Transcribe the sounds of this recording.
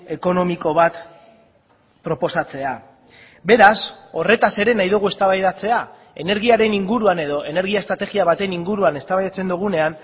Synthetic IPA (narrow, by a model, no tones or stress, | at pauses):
e̞ko̞no̞miko̞β̞at̪ | pɾo̞po̞sat͡se̞a | be̞ɾaso̞re̞t̪ase̞ɾe̞najðuɣue̞st̪aβajðat͡se̞a | e̞ne̞ɾɣ̞iaɾe̞niŋɡuɾuane̞ðo̞ʔe̞ne̞ɾɣ̞iaest̪ɾat̪e̞ɣiaβat̪e̞niŋɡuɾuane̞st̪aβajðat͡se̞nd̪uɣ̞une̞an